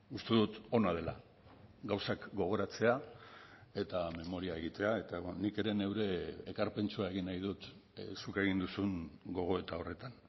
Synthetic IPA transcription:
ust̪e̞ðut̪o̞nað̞e̞la̰ | ɡawsakɡo̞ɣ̞o̞ɾat͡se̞a | e̞t̪ame̞mo̞ɾiae̞ɣ̞it̪e̞ae̞t̪anike̞ɾe̞ne̞wɾe̞ːkaɾpe̞nt͡suae̞ɣinajð̞ut̪ | suke̞ɣ̞ind̪usuŋɡo̞ɣ̞o̞e̞t̪ao̞re̞t̪an

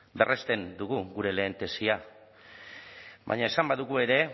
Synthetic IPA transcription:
be̞rʔest̪e̞nd̪uɣuɣuɾe̞le̞ːnt̪e̞sia | βa̰ɲae̞sambaðuɣue̞ɾe̞

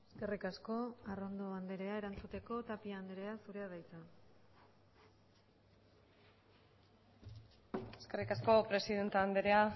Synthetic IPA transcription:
eske̞rikasko̞aro̞nd̪oand̪e̞ɾe̞ae̞ɾant͡sut̪e̞ko̞t̪apiaand̪eɾe̞asuɾe̞að̞ajt͡sa | e̞ske̞rikasko̞pɾe̞siðe̞nt̪eand̪eɾea

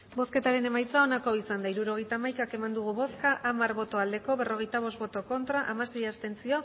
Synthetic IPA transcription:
bo̞ske̞t̪aɾe̞ne̞majt͡sao̞nako̞isand̪aiɾuɾo̞ɣ̞e̞jt̪aːmajkake̞mand̪uɣ̞uβo̞skaʔamaɾβo̞t̪o̞ald̪e̞ko̞βe̞ro̞ɣ̞e̞jt̪aβ̞o̞st̪bo̞t̪o̞ko̞nt̪ɾaʔamase̞jast̪e̞nt͡sio̞

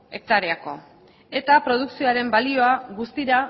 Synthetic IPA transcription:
e̞k̚t̪aɾeako̞̰ | e̞t̪apɾo̞ðuksio̞aɾe̞mbalio̞aɣust̪iɾa

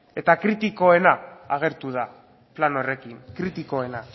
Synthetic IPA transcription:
e̞t̪akɾit̪iko̞e̞naaɣ̞e̞ɾt̪uð̞a | plano̞re̞kiŋkɾit̪iko̞e̞na

